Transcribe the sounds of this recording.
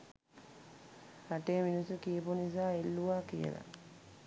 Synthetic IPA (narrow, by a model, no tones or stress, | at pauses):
ɾaʈeːminusukiːpunisaːelːuʋaːkijə̰la̰